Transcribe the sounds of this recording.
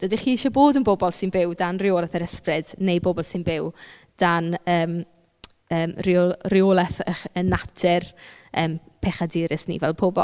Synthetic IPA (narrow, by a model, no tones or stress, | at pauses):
d̥ədiχiːɪʃɔboːdənbobɔlˠsɪnbɪwdanrɪoːlˠɛθəɾəsprɪd̥nejbobɔlˠsɪnbɪw | d̥anəːm | əːmrorɪolˠɛθəχənatʰɪrəːmpʰeχadɪːɾɪsnḭvɛlˠpʰobɔ̰lˠ